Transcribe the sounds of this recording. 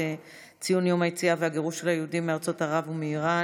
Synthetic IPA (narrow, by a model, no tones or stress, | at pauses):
e | t͡sijunjomajit͡siaveaɡeʁuʃelhajeudimːeaʁt͡so̞taʁavumeiʁa